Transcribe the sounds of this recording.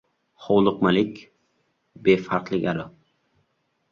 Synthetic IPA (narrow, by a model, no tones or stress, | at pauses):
χɒwlˠʊqmalɪkʲ | befaɾqlˠɪɡʲaɾʊ